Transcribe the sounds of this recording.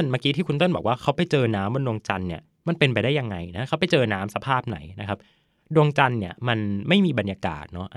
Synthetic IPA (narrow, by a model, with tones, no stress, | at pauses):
nmaː˦˥˩kiː˧˦t̪ʰiː˥˩kʰu˧nt̪o˥˩nbɔ̰ː˨˩k̚waː˥˩kʰa˦˥wpa˧˩jt͡ɕɤː˧naː˦˥mbo˧ndu˧əŋt͡ɕa˧nːi˥˩ɐ | ma˧npe˧npa˧jdaː˥˩ja˧ŋːa˧jna˦˥kʰa˦˥wpa˧˨jt͡ɕɤː˧naː˦˥msa˧pʰaː˥˩p̚na̰˩˦jna˦˥kʰa˦˥p̚ | du˧əŋt͡ɕa˧nːi˥˩ɐma˧nma˥˩jmiː˧ba˧njaː˧ka̰ː˨˩t̪̚nɔ˦˥ʔ